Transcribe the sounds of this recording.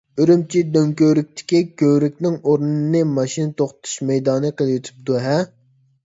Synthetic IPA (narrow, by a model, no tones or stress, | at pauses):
øɾymt͡ʃʰid̪øŋkʲøɾyk̚ʲt̪ʰɪ̥kʲikʲøwɾykʲnɪŋoɾnɨnɨmɑʃinɨt̪ʰoχtt̪ʰu̥ʃmɛjd̪ɑːnɨqəlˠjut̪ʰu̥p̚d̪uɦɛ